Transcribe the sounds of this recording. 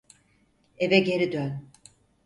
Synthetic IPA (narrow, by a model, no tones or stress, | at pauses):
evɛɟe̞ɾid̪øn